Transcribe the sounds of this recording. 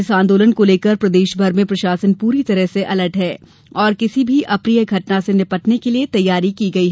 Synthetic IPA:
ɪsãːnd̪oːlənkoleːkəɾpɾɐd̪eːʃbʱɐɾmẽpɾɐʃaːsənpuːɾit̪ɐɾəɦseʔɐləʈɦɛː | ɔːɾkɪsibʱiʔɐpɾijəɡʱɐʈnasenɪpəʈnekeliet̪ɐjːaːɾikiɡɐiɦ

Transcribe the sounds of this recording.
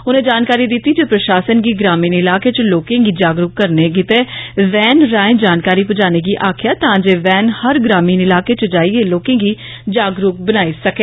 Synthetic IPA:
ʊnẽːd͡ʒaːnkaːɾiːd̪ɪt̪ːiːd͡ʒeːpɾəʃaːsənɡiːɡɾaːmiːnɪlaːkeːt͡ʃəloːkẽːɡiːd͡ʒaːɡɾʊkkəɾneːɡɪt̪eːʋɛːnɾaːẽd͡ʒaːnkaːɾiːpʊd͡ʒaːneːɡiːʔaːkʰɪjaːt̪ãːd͡ʒeːʋɛːnhəɾɡɾaːmiːnɪlaːkeːt͡ʃəd͡ʒaːieːloːkẽːɡiː | d͡ʒaːɡɾʊk̚bənaːisəkeː

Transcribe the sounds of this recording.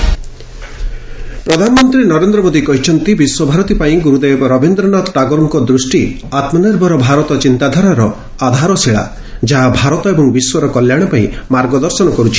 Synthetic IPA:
pɾɔd̪ʱanɔmɔnt̪ɾinɔɾend̪ɾɔmod̪ikɔɦit͡ʃʰɔnt̪ibiswɔbʱaɾɔt̪ipaĩɡuɾud̪ebɾɔbʱind̪ɾɔnat̪ɔʈaɡɔɾuŋkɔd̪ɾusʈi | at̪mɔneɾbʱɔɾɔbʱaɾɔt̪ɔt͡ʃint̪ad̪ʱaɾaɾɔ | ad̪ʱaɾɔseɭa̰ | d͡ʒaɦabʱaɾɔt̪ɔebɔŋbiswɔɾɔkɔljaɽ̃ɔpaĩmaɾɡɔd̪ɔɾsɔnɔkɔɾut͡ʃʰi̥

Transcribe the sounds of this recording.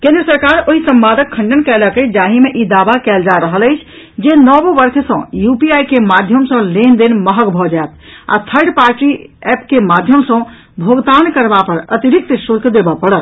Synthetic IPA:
kẽnd̪ɾəsəɾkaɾoɦisə̃mbad̪ʱəkʰːə̃ɳɖənkɛləkəd͡ʒaɦimeʔid̪abakɛld͡ʒaɾəɦələjt͡ʃʰ | d͡ʒenɔbobəɾkʰsə̃jupiajkemad̪ʱjəmsə̃lend̪enməɦəɡbʱɔd͡ʒaet̪̚ʰa̰t̪ʰəɾɖpaɾʈiɛpkemad̪ʱjəmsə̃ | bʱoɡt̪ankəɾbapəɾət̪iɾik̚t̪sut̪ʰd̪ebəpəɽət̪

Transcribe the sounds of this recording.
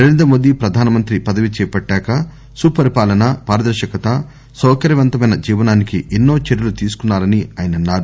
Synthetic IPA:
neɾend̪ɾɐmoːd̪ipɾɐd̪ʱaːnɐmɐnt̪ɾipɐd̪ɐʋit͡ʃɛːjpɐʈːaːkɐ | supɐɾipaːlɐnɐpaːɾɐd̪ɐɾʃɐkɐt̪ɐ | sɔːkɐɾjɐʋɐnt̪ɐmɐjnɐd͡ʒiːʋɐnaːnikiʔenːo̞ːt͡ʃeɾjɐlut̪iːsu̥kunːaːɾɐniaːjɐnɐnːaːɾu

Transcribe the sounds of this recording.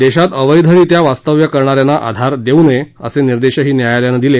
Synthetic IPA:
d̪eɕat̪əʋəjd̪ʱəɭiːt̪jaʋast̪əʋjəkəɾɳaɾjanaʔa̰d̪ʱaɾd̪euneə̰seniɾd̪eɕəɦiːnjajaljanəd̪ile

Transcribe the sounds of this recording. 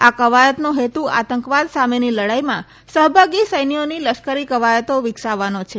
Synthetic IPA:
akəʋajət̪noɦet̪ua̰t̪əŋkʋad̪sameniləɽajmã | səɦbʱaɡisəjnioniləʃkəɾikəʋajət̪oʋɪksaʋːanot͡ʃʰe

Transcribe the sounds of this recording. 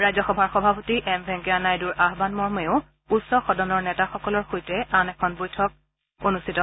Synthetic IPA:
ɹajzɔxɔbʱaɹxɔbʱapotiʔɛmbʱɛ̃ŋkɛanajduɹʔaɦbanmɔɹmeʊ | utsɔxɔdɔnɔɹnɛtaxɔkɔlɔɹxojtɛanɛkʰɔnbojtʰɔk̚ | onustʰitɔ

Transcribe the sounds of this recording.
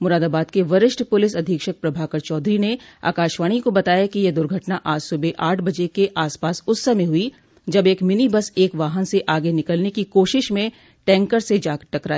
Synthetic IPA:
mʊɾaːd̪aːbaːd̪keʋɐɾɪʃʈpʊlɪsɐd̪ʱiːkʃək̚pɾɐbʱaːkəɾt͡ʃɔːd̪ɾinea̰ːkaːʃʋaːɽ̃ikobɐt̪aːjakijed̪ʊɾɡʱɐʈnaʔaːd͡ʒsʊbeʔaːʈʰbɐd͡ʒekeʔaːspaːsʊsːɐmẽɦʊi | d͡ʒɐbeːkmɪnibəseːkʋaːɦənseʔaːɡenɪkəlnekikoːʃɪʃmẽ | ʈɛ̃ːŋkəɾsed͡ʒaːkʈɐkɾaːeː

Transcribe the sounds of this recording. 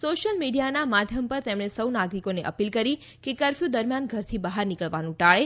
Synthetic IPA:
soʃəlmiɖijanamad̪ʱjəmpəɾt̪emɳ̃esəwnaɡɾikoneʔə̰pilkəɾi | kekəɾfjud̪əɾmjanɡʱəɾt̪ʰibaɦaɾnikəɭʋanũʈaɭe

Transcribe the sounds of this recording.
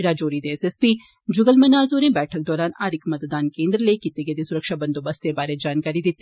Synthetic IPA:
ɽaːd͡ʒoːɾid̪eɛsespi | d͡ʒʊɡəlmɐnaːzoːɾẽbɛːʈʰək̚d̪ɔːɾaːnaːɾɪkmɐt̪d̪aːnkẽːnd̪ɾlekit̪eɡed̪esʊɾəkʃabɐ̃nd̪obɐst̪ẽbaːɾed͡ʒaːnkaːɾid̪ɪt̪ː

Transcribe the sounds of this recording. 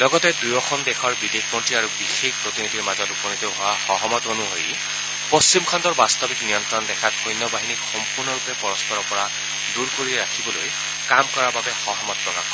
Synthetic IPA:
lɔɡɔtɛdujɔkʰɔndɛxʰɔɹbidek̚pɔntiaɹubixexpɹot̪inidiɹmazɔtupɔniteʊɦʊwaxɔɦɔmɔtonuɦo̰j | post͡ɕimkʰandɔɹbast̪ɔbiknijɔntɹɔndɛkʰatxojnːɔbaɦinikxɔmpuɹnɔɹupɛpɔɹɔspɔɹɔɹpɔɹa | duɹkoɹiɹakʰibɔloj | kamkɔɹababɛxɔɦɔmɔt̚pɹɔka̰k

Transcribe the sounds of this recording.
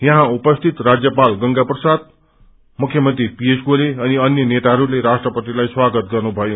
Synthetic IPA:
jʌɦãupʌst̪ʰit̪rad͡zjʌpalɡʌŋɡaprʌsad̪̚ | mukʰjʌmʌnt̪ripiesɡoleʌniʌnjʌnet̪aɦʌɾuleɾasʈrʌpʌt̪ilajswaɡʌt̪̚ɡʌrnubʱʌjo

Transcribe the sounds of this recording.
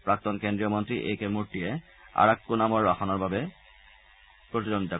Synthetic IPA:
pɹak̚t̪ɔnkend̪ɹiomont̪ɾiʔḛjkemuɾʈie | a̰ɹakːunamoɹbaxɔnɔɹbʱabe | pɾot̪id͡ʑond̪it̪a

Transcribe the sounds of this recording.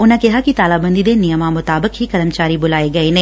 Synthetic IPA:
ʊnãkɛɦakit̪aːlaːbə̃nd̪id̪enɪjəmamʊt̪aːbəkɦikɐɾəmt͡ʃaːɾibʊlaːeɡɐenẽ

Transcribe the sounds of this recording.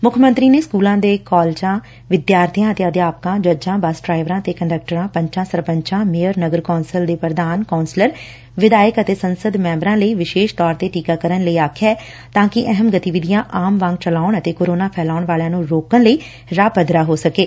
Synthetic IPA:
mʊkʰmə̃nt̪ɾiːneːskuːlãːd̪eːkɔːlt͡ʃãː | ʋɪd̪jaːɾt̪ʰijãːət̪eːəd̪jaːpkãːd͡ʒəd͡ʒãːbasɖɾaːɪʋɾãːət̪eːkəɳɖək̚ʈəɾãːpə̃ɲt͡ʃãːsəɾpəɲt͡ʃãːmɪjəɾnəɡəɾkaːnsəld̪eːpɾəd̪aːnkaːnsləɾ | ʋɪd̪aːjəkət̪eːsənsəd̪mɛ̃ːmbɾãːləiːʋɪʃeːʃt̪ɔːɾt̪eːʈiːkaːkəɾənləiːaːkʰjɛː | t̪ãːkɪʔɛɦəmɡət̪iʋɪd̪ijãːʔaːmʋãŋɡt͡ʃəlaːʊɳət̪eːkoːɾoːnaːpʰɛːlaːʊɳʋaːljãːnũːɾoːkəɳləiː | ɾaːpəd̪ɾaːɦoːsəkeː

